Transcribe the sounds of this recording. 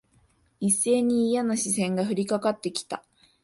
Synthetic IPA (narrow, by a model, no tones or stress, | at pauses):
isːe̞ːɲ̟iːjanaɕisẽ̞ŋɡaɸɯ̟ɾʲikakat̪ːe̞kʲi̥t̪a̰